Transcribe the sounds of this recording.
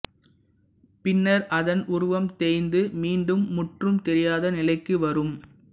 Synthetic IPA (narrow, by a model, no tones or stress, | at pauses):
pɪnːɐɾʔɐðɐnʔʊɾʊʋɐmt̪eːnd̪ɯmiːɳɖɯmːʊʈrɯmt̪ɛɾɪjaːðɐnɪlɐɪkːɯʋɐɾɯm